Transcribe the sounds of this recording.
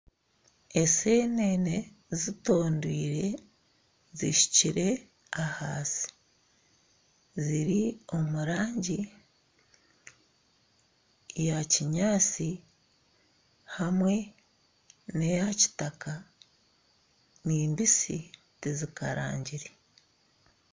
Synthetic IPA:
e̞se̞nene̞ | zito̞ːndwiːɾe̞ | ziʃi̥ciɾe̞ | ahaːsi̥ | ziɾio̞muɾaːɲɟi | jaciɲaːt͡si | hamwe̞ | nejaci̥taka | niːmbisi | tizika̰ɾa̰ːɲɟiɾe

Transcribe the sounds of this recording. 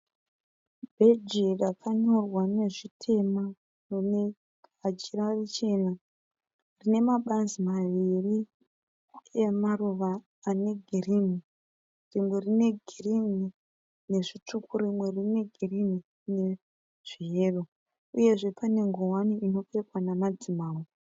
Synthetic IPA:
bʱed͡ʒirakʰaɲo̞rwane̞ʐitʰe̞ma | none | ad͡ʒirarit͡ʃe̞ːna | rine̞maɓanzimaʋiri | emaruʋaː | ne̞ɡʱirimi | rimwe̞rine̞ɡʱirini | ne̞ʐit͡ʂukurimwe̞rine̞ɡʱirimi | ne̞ | ʐ̥iɦe̞ːro | uje̞ʐe̞pʰane̞ŋɡowaniino̞pekwanamad͡zimaːmi

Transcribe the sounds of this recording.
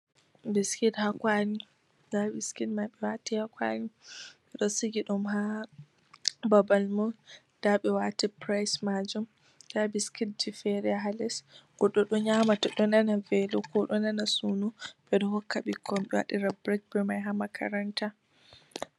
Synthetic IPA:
biskithakwani | dabiskitmaɓɛwatihakwa̰niɓɛɗɔsiɡiɗumɦa | babalmɔ | d̥aɓɛwatipɾajsmad͡ʒum | dabiskit̚difɛɾɛɦalɛsɡ̥ɔɗɔɗɔɲamataɗɔnanavɛlɔkʰɔɗɔnanasunuɓɛɗɔhɔkʰːaɓikʰːɔmɓɛwa̰ɗiɾabɾɛɡ̚bɛmajɦamakʰa̰ɾanta

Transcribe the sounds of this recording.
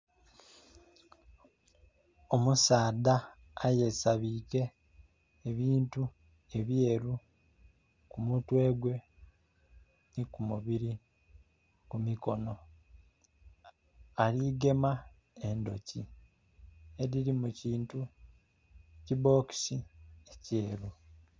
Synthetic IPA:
o̞musaːdaː | je̞saβiːke̞ː | βiːntu | e̞βjeːɾu | kumutwe̞ːɡwe̞ | nikumuβiɾi | kumiko̞no̞ | aliɡe̞ma | endo̞̰ci | eɾiɾimuciːntu | cibo̞ːki̥siece̞ːɾu

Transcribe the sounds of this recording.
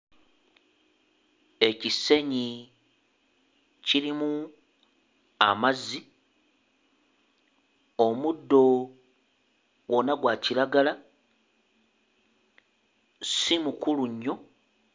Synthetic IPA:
e̞cise̞ɲi | cilimu | a̰mazi | o̞mudːo̞ | wo̞naɡwaciɾaɡala | simukuluɲːo̞

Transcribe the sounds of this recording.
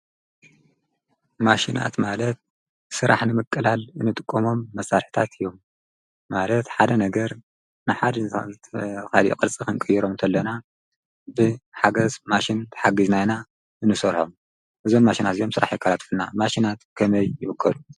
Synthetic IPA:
maʃina̰t̪malɐt̪̚ | sɨɾa̰ħnɨmɨkʼːɨlalɨnːɨt̪ʼɨ̥kʼːɐmo̞mːɐsːaɾħi̥t̪ʰat̪ʰɨjːo̞mː | alɐt̪ħad̪ɐnɐɡɐɾ | nɨħad̪ʰ | kʰaliʔkʼɨɾt͡sʼikɨŋkʼɨjiɾo̞mt̪ʰɐlːɐna | bɨħaɡɐzmaʃint̪ʰɐ̥ħaɡiznajna | ʔɨnːɨsɐɾħo̞̰m | ʔɨzo̞mːaʃinat̪ijo̞msɨɾʔa̰ħjɛkːalat̪fɨnːamaʃinat̪kʰɐmɐjːɪwɨkʰːɐlu

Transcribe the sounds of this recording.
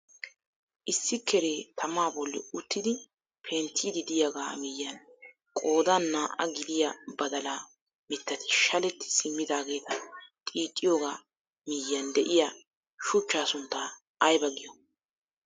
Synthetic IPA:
ʔɪsːɪkʰːɛɾeːt̪ʰɐmaːbɔlːɛ̰ʊt̪ːɪd̪ɪ | pʰeːnt̪ʰid̪ɪd̪ɪjɐɡa̰ːmijːɐn | kʼo̞ːd̪aːnːaːʔɐ̰ɡɪd̪ɪjɐbɐd̪ɐla | mɪt̪ːɐt̪ɪ̥ʃɐlɛt̪ːɪ̥sɪmːɪd̪aːɡe̞ːt̪ɐt̪ʼiːt̪ʼːɪjoːɡaː | mɪjːɐnd̪ɛʔɪja | ʃʊt͡ʃːaːsʊnt̪ːaː | jbɐɡɪjɔ

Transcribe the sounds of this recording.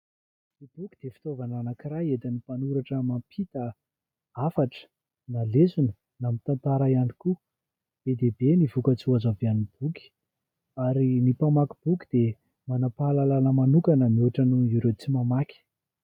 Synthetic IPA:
ib̥ukʲid̪̥efi̥t̪ovananakirajet̪ənipanuɾaʈ͡ʂəmampʰit̪ə | afaʈ͡ʂə̥ | nalezunə | namit̪ant̪aɾaianiku | b̥ed̪ebenivukət͡suazavianib̥ukʲi̥ | aɾinipamakib̥ukʲi̥d̪̥e | manapalalanəmanukanəmiuʈ͡ʂənuiɾet͡simamakʲi̥

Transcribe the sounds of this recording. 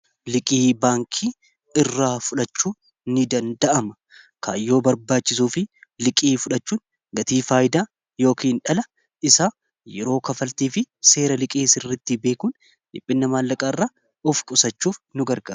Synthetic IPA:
lɪkʼiːbaːŋkʰiː | ɪrːaːfʊᶑɐt͡ʃːuː | nɪd̪ɐnd̪ɐʔɐmɐ | kʰajːo̞ːbɐɾbaːt͡ʃːɪsuːfɪlɪkʼiːfʊᶑɐt͡ʃːuːn | ɡɐt̪iːfaːjd̪aː | jo̞ːkiːnᶑɐlɐ | ɪsa | jɛɾo̞ːkɐfɐlt̪iːfɪse̞ːɾɐlɪkʼiːsɪrːɐt̪ːɪbe̞ːkuːn | ᶑɪpʼːɪnːɐmaːlːɐkʼaːɪrːaː | ɔfkʼʊsɐt͡ʃːuːfnʊɡɐɾɡa̰ːɾ

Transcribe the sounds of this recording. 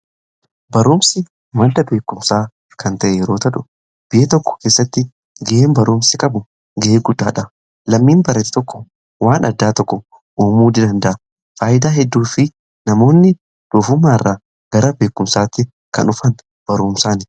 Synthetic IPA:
bɐɾuːmsɪ | mɐld̪ɐbe̞ːkːʊmsaː | kɐnt̪ɐʔejɛɾo̞ːt̪ɐᶑʊ̥ | b̥ɪʔeːt̪ɔkːɔ̥ke̞ːsːɐt̪ːɪ | ɡɛʔeːmbɐɾuːmsɪkʼɐbʊ | ɡɛʔeːɡʊd̪ːaːᶑɐ | lɐmːiːnbɐɾɐt̪ɪ̥t̪ɔkːɔ̥ | waːnʔɐ̰d̪ːaːt̪ɔkːɔ | ʔuːmuːd̪ɪd̪ɐnd̪ɐʔɐ | faːjɪd̪aːɦɛd̪ːuːfɪ | nɐmo̞ːnːɪ | d̪̥uːfʊmːaːɪrːaː | ɡ̥ɐɾɐbe̞ːkːʊmsaːt̪ːɪ | kɐ̰nʊfɐn | b̥ɐɾuːmsaːnɪ

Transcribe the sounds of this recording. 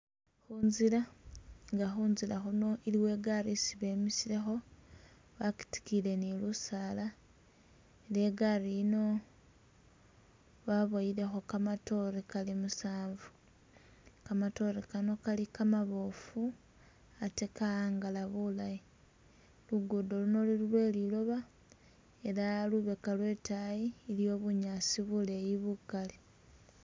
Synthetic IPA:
xuːnzilaŋɡaxuːnzilaxuno̞ʔiliwe̞ɡaɾisiβe̞ːmisile̞xo̞ | βaki̥ti̥kile̞nilusaːla | ile̞ɡaɾino̞ | βaβoiɾe̞xo̞kamato̞ɾekalimusaːɱvu | kamato̞ɾekano̞kalikamaβo̞fu | atekaaːŋɡalaβulaji | luɡudo̞luno̞lilulwe̞ːlilo̞βa | eɾaluβe̞kalwe̞ːtajiːljo̞ːβuɲaːsiβule̞jiβukali

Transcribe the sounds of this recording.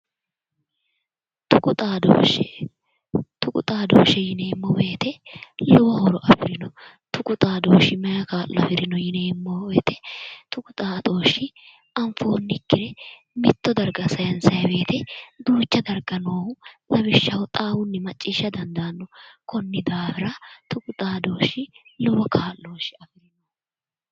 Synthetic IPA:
t̪ʊkʼʊt̪ʼaːd̪o̰ːʃɛ | t̪ʊkʼʊ̰t̪ʼaːd̪oːʃɛjɪneːmːɔbeːt̪ɛlɛwɐhɔɾɔʔɐpɪɾɪnɔ | t̪ʊkʼʊt̪ʼaːd̪oːʃɪmɛjɐkaːlʊɐ̰fɪɾɪnɔjɪneːmːobeːt̪ɛt̪ʊkʊt̪ʼaːd̪oːʃɪ | ɐɱfo̞ːnːɪkːɪɾɛ | mɪt̪ːɔd̪ɐɾɡɐsɐjɐnsɐjɐbe̞ːt̪ɛd̪uːt͡ʃːɐd̪ɐɾɡɐnoːhʊlɐβɪʃːɐwɔt̪ʼaːwʊnːɪmɐt͡ʃʼːiːʃːɐd̪ɐnd̪ɐnːɔkʰɔnːɪd̪aːfɪɾɐt̪ʊkʼʊt̪ʼaːd̪o̞ːʃːɪlɔwɔkʰaːlːoːʃɪ̥ɐfɪɾɪnɔ

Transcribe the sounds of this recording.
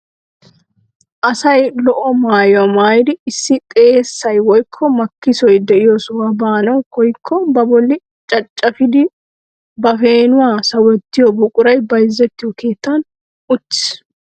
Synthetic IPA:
ʔɐsɐjlɔʔɔmaːjwɔmaːjd̪ɪɪsːɪt̪ʼe̞ːsːɐjwɔjkʰːɔmɐkːɪsɔjd̪ɛʔɪjɔswɐbaːnɐwkɔjkʰːɔbɐbɔlːɪ | t͡ʃʼɐt͡ʃʼːɐfɪd̪ɪ | bɐfeːnʊwaːsɐwɔt̪ːɪjɔbʊkʼʊɾɐjbɐjzːɛt̪ːɪjɔkeːt̪ːan | ʊt̪ːɪ̥s

